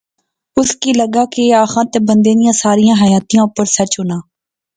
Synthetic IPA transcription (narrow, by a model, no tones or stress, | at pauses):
ʊskiːləɡaːkeaːxãːt̪eːbə̃nd̪ẽːd̪ɪjãːsaːɾɪjãːɦəjaːt̪ijãːʊpəɾsət͡ʃɦʊnaː